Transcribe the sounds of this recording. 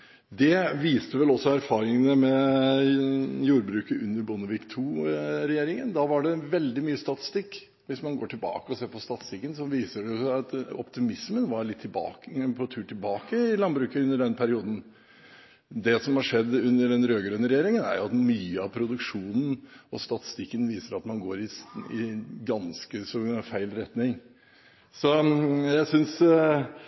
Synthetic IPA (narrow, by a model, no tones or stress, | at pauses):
d̪ɛʋiːst̪əʋɛlɔsːɔæɾfɑːɾɪŋənəmɛ | juːɾbɾʉːkəʉnːəɾbʊnəʋiːkt̪ʰuːɾɛjeːɾɪŋənd̪ɑʋɑɖɛʋɛld̪ɪmyːəst̪ɑt̪ɪ̥st̪ɪkː | ʋɪsmɑnɡoːʈʰɪlbɑ̰ːkəɔseːɾpʰɔst̪ɑt̪ɪ̥st̪ɪkːənsɔʋiːsəɖɛjʊsæɑt̪ɔ̰pt̪ɪmɪsmənʋɑɾɭɪt̪ʰːɪbɑ̰ːkpʰɔt̪ʰʉːʈɪlbɑːkəɪlɑnbɾʉːkəʉnːəɖɛnpʰæɾɪuːd̪n̩ | d̪ɛsɔmhɑʂɛd̪ːʉnːəɖɛnɾøːɡɾøːnəɾɛjeːɾɪŋənæ̰ɾjʊɑt̪myːəɑʋpʰɾʊd̪ʉkʂuːnn̩ɔst̪ɑt̪ɪ̥st̪ɪkːənʋiːsəɾɑt̪mɑnɡoːɾɪɪɡɑnskəsɔfæɪlɾɛt̪nɪŋ | sɔjæɪsʏns